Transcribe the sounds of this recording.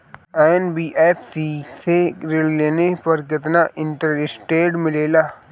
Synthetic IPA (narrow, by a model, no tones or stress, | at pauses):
eːnbiːʔeːpʰsiːt̪ʰeɾɪlleːnepɐɾk̬ɪt̪naʔɪ̃ɳʈəɾɪsʈeːɖmɪleːlaː